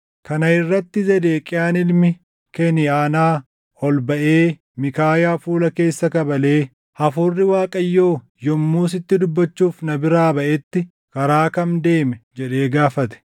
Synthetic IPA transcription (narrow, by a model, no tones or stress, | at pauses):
kɐnɐɪrːɐt̪ːɪzɛd̪eːkʼɪjaːnɪlmɪ | kɛnɪaːnaː | ɔlbɐʔe̞ː | mɪkaːjaːfuːlɐke̞ːsːɐkɐbɐle̞ː | hɐfʊrːɪwaːkʼɐjːo̞ː | jɔmːuːs̬ɪt̪ːɪd̪ʊbːɐt͡ʃːuːfnɐbɪɾaːbɐʔɛt̪ːɪ | kɐɾaːkɐnd̪e̞ːmɛd͡ʒɛᶑe̞ːɡaːfɐt̪ɛ̥